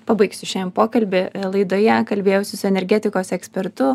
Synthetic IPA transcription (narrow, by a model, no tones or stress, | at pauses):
pɐbɐɪksʲʊʃʲɛmpoːkɐlʲbʲɪlˠɐɪd̪oːjɛkɐlʲbʲeːjɛʊsʲɪsʊɛnʲɛɾʲɡʲæːt̪ʲɪkoːsɛksʲpʲɛɾt̪ʊ